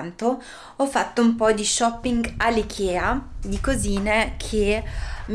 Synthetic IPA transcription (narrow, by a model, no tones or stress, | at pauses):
nt̪o | ɔfːat̪ːoumpɔd̪iʃɔpːiŋɡalːikʰjɛːad̪ikoziːnekʰem